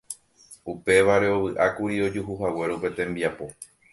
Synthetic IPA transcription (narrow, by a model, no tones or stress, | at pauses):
upe̞ʋaɾe̞o̞ʋɨʔakuɾio̞d͡ʒuɦuɦawe̞ɾope̞t̪ẽ̞mbiapo̞